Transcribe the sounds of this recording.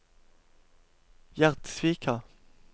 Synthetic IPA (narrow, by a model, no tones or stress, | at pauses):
jæʁt̪sʋiːkʰɑ